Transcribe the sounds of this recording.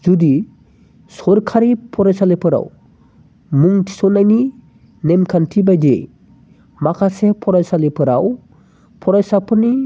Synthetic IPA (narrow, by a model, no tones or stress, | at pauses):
zudi | sɔɾkʰaɾipʰɔɾajsalepʰɯɾa̰w | muŋtʰi̥sɔnajni | nemkʰantʰibajdḛj | makʰasepʰɔɾajsalepʰɯɾaw | pʰɔɾajsapʰɯɾni